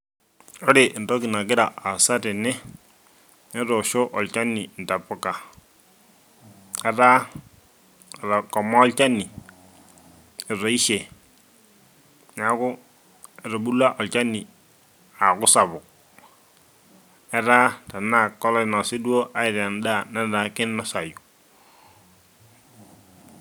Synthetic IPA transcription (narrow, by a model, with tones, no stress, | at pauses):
ɔ˦ɾɪ˨ʔn˨dɔ˦ki˨na˨kɪ˦ɾa˨a˨sa˦tɪ˨nɛ˦ | ɛ˦ɾɔ˨ʃo˦ʔɔ˨lt͡ʃa˦ni˨n˨ta˨pʊ˦ka˨ | ɛ˦ɾa˦˨ | ɾa˨kɔ˨mɔ˦lt͡ʃa˦nːi˨ | ɪ˨ɾɔ˨˦i˦ʃe˨ | na˨kʊ˦ | ɛ˨ɾɔ˨bu˦la˦ʔɔ˨lt͡ʃa˦nːi˨ | a˨kʊ˦sa˨βʊ˨ | ɛ˦ɾa˦ta˨na˦˨kːɔ˦lɔ˦˨nɔ˨sɪ˦du˦o˦ʔa˦ɪ˨ɾa˨n˦da˦˨na˦da˦kɪ˦nma˦sa˨ju˨